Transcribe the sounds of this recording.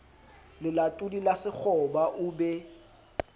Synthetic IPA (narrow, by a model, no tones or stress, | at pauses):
lɪlatʼudilasɪk͡xʰɔbaʔʊbɛ